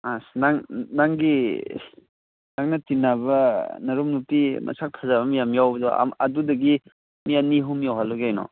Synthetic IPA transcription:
asnaŋnaŋɡi | naŋnɐtinːabɐnɐɾumnutimʔɐ̰sʰak̚tʰazaβɐmijamjawbɐdɔ̰ɐ̰dudɐɡi | mijaniɦumjawɦalːɔɡajnɔ̰

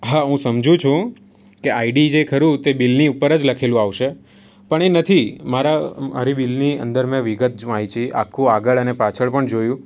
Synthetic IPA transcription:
ɦaɦũsəmd͡ʒũt͡ʃʰũ | keaiɖid͡ʒekʰəɾũt̪ebilniupːəɾəd͡ʒləkʰelũaʋʃe | pəɳenət̪ʰimaɾaə̰ɾibilniə̰nd̪əɾmẽʋiɡət̪̚d͡ʒait͡ʃʰiʔa̰kʰːũaɡəɭənepat͡ʃʰəɭpəɳd͡ʒojũ

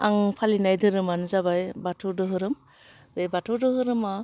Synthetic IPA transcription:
aŋpʰalinajdɯɾɯmanzabajbatʰudɯɦɯɾɯm | bejbatʰɯdɯɦɯɾɯma

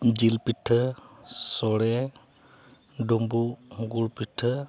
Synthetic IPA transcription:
d͡ʒilpiʈʰːəsɔɽe | ɖombuɦɡuɽpiʈʰːə

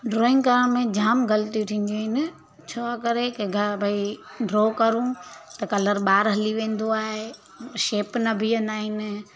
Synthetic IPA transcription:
ɖɾoːɪ̃ŋɡkɐɾəɽ̃mẽd͡ʑaːmɡɐlt̪ijut̪ʰĩːn̆d̪oɦɪnɪ | t͡ɕʰoːakɐɾekeɡɐbʱɐiɖɾoːkɐɾũt̪ɐkɐləɾɓaːɾɦɐliʋẽːn̆d̪oaːɦe | ʃeːpnɐbʱiɐnaːɦɪnɪ̆

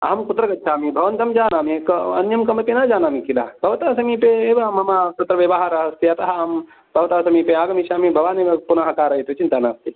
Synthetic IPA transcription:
a̰ːmkʊt̪ɾɐɡɐt̪ʃʰaːmibʱɐʋɐnt̪ɐmd͡ʒaːnaːmẽkɐ̰njɐmkɐmpinad͡ʒaːnaːmĩkila̰ːbʱɐʋt̪aːsɐmipeeʋamɐmaːt̪ɐt̪ɾɐʋeʋaɦaːɾɐɦɐst̪iat̪ɐɦaːm | bʱɐʋɐt̪aːsɐmipeaːɡɐmiʃaːmibʱɐʋaːnemepunaɦɐkaːɾɐɦit̪ut͡ʃint̪aːnaːst̪i

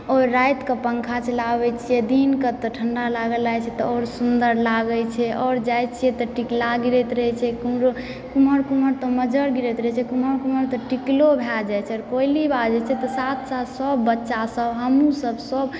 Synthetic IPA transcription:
ɔɾːajt̪kəpəŋkʰat͡ʃəlabɛt͡ʃʰijed̪inkət̪ɔʈʰəɳɖalaɡəlajt͡ʃʰɛt̪ɔɔɾsund̪əɾlaɡət͡ʃʰɛʔɔɾd͡ʒajt͡ʃʰijet̪ɔʈiklaɡiɾɛt̪ɾəɛt͡ʃʰɛkumɾo | kuməɾkuməɾt̪ɔməd͡ʒəɾɡiɾɛt̪ɾət͡ʃʰɛkuməɾkuməɾt̪ɔʈiklobʱɛld͡ʒajt͡ʃʰɛɔɾkoilibad͡ʒɛt͡ʃʰɛt̪ɔsat̪sat̪səbːətːʃasəbɦəmusəbsəb

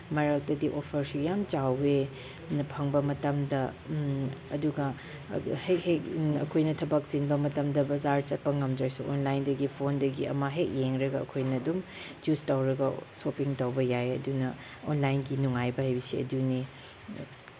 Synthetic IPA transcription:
mɐɾɐk̚dɐdiʔopʰɐɾsujamt͡ʃawe | pʰɐŋbɐmɐtɐmdɐ | ɐduɡɐ | hekhek̚ɐkʰojnɐtʰɐbɐk̚sinbɐmɐtɐmdɐbɐzaɾt͡ʃɐt̚pɐŋɐmd͡ʒɐɾsuʔonlajndɐɡipʰondɐɡiɐ̰mɐɦek̚jeŋɾɐɡɐɐ̰kʰojnɐdum | d͡ʒustawɾɐɡɐsopiŋtɐwbɐjajɐ̰dunɐ | onlajnɡinuŋajbɐɦajbisiɐ̰dune

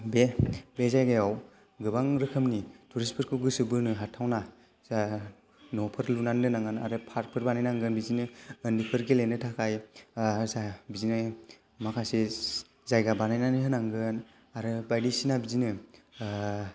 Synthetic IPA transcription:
bebezajɡajaw | ɡɯbaŋɾɯkʰɯmnitʰuɾispʰɯɾkʰɯwɡɯsɯbɯɾnɯɦatʰawna | nɔpʰɯɾlunandɯnaŋanaɾɯpʰaɾ̚pʰɯɾbanajnaŋɡɯnbizinɯːndipʰɯɾɡelenɯtʰakʰaj | zabizina | makʰase | zajɡabanajnaniɦɯnaŋɡɯn | aɾɯbajdisinabizinɯ

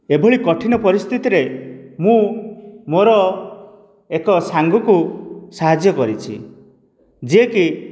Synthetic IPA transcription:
eboɭikɔʈʰinɔpɔɾist̪ʰit̪iɾemũmoɾɔ | ekɔsaŋɡɔkusaɦad͡ʒjɔkɔɾit͡ʃʰḭ | d͡ʒieki

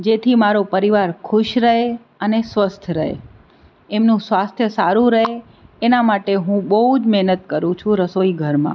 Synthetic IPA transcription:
d͡ʒet̪ʰimaɾopəɾiʋaɾkʰʊʃɾəɦe | ənesʋəst̪ʰɾəɦḛ | emnũsʋast̪ʰjəsaɾũɾəɦeː | namaʈeɦũbəɦud͡ʒmɛɦnət̪kəɾũt͡ʃʰũɾəsoiɡʱəɾmã̰

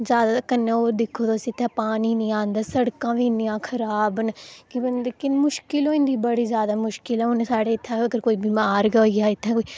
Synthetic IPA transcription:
zjaːd̪aːkənːẽːoːd̪ɪkʰːoːd̪oːəsĩːɪt̪ʰːɛːpaːniːnĩːãːnd̪aːsəɽkãːʋiːnɪjãːkʰəɾaːbənkɪnd̪kɪnmʊʃkɪloːĩnd̪iːbəɽiːzjaːd̪aːmʊʃkɪlɛːʊnesaːɽeːɪt̪ʰːãːəɡəɾkoːiːbɪmaːɾɡəiːaːɪt̪ʰːɛ̃ːkoːi

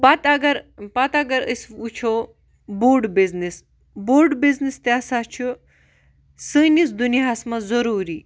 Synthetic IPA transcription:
pɐt̪ɐɡɐɾpɐt̪ɐɡɐɾəsut͡ʃʰo | boːɾɖbiznis | boːɾɖbiznist̪ʲaːsat͡ʃʰu | sɨnisd̪unijaɐsmɐzɐɾuːɾiː

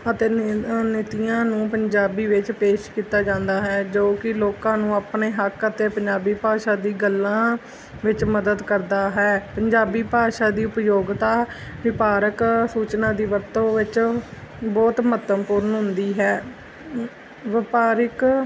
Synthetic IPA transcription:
ət̪eːnɪt̪ijãːnũːpəɲd͡ʒaːbiːʋɪt͡ʃpeːʃkiːt̪aːd͡ʒãːnd̪aːɦɛːd͡ʒoːkɪloːkãːnũːaːpneːɦəkət̪eːpəɲd͡ʒaːbiːpaːʃaːd̪iːɡəlːãː | ʋɪt͡ʃməd̪əd̪kəɾd̪aːɦɛːpəɲd͡ʒaːbiːpaːʃaːd̪iːʊpjoːɡt̪aːʋɪpaːɾəksuːt͡ʃnãːd̪iːʋəɾt̪õːʋɪt͡ʃ | bɔːt̪mət̪əmpʊɾənɦʊnd̪iːɦɛː | ʋɪpaːɾɪk

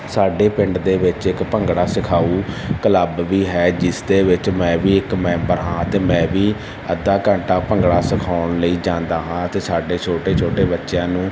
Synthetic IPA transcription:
saːɖeːpɪ̃ɳɖd̪eːʋɪt͡ʃɪkpəŋɡɽaːsɪkʰaːuːkələbʋiːɦɛːd͡ʒɪsd̪eːʋɪt͡ʃmɛ̃ːʋiːɪkmɛ̃ːmbəɾɦãːət̪eːmɛ̃ːʋiː | ə̰d̪aːkə̃ɳʈaːpəŋɡɽaːsɪkʰaːʊɳləiːd͡ʒãːnd̪aːɦãːət̪eːsaːɖeːt͡ʃʰoːʈeːt͡ʃʰoːʈeːbətːʃjãːnũː

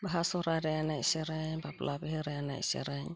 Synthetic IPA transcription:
baɦasɔɾaɾeanaiseɾaɲbaplʔabiɦɯɾeana̰ḭsḛɾaɲ

